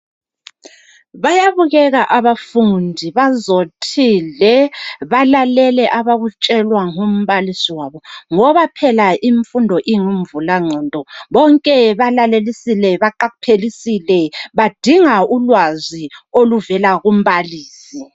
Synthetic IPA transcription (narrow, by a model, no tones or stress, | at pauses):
βajaβuɣɛɣaʔaβafundʱiβazotʰilɛβalalɛlɛʔaβaɣut͡ʃʼɛlwaŋum̩βalisiwaβɔŋɔβapʰɛlaʔiɱfundʱɔʔiŋum̩vulaŋ͡ǀʱɔːndʼʱɔβɔŋkʼɛβalalelisilɛβaǃaɣupʰelisilɛβad̥ʱiŋaulwazioluvɛlaɣum̩βaliːsi